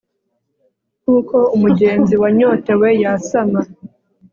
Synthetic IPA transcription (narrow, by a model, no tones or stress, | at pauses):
kuːko̞umuɟe̞ːnziwaɲo̞ːte̞we̞jasama